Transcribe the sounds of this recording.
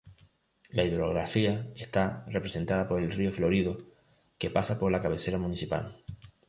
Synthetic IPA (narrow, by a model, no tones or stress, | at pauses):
laiðɾoɣɾafiaest̪arepɾese̞nt̪að̞apo̞ɾelrioflo̞ɾið̞o | ke̞pasapo̞ɾlakaβ̞e̞seɾamũnisipa̰l